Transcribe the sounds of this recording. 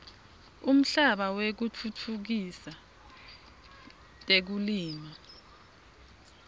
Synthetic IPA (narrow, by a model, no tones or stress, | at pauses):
um̩ɬaɓawek̬ut͡fʰut͡fʰuk̬isa | tʼek̬uliːma